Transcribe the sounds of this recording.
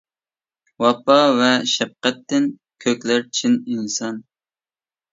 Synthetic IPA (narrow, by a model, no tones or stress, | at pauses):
wɑpɑvɛʃɛp̚qɛt̪ːɪn | kʲʰøkʲlæɾt͡ʃʰininsɑn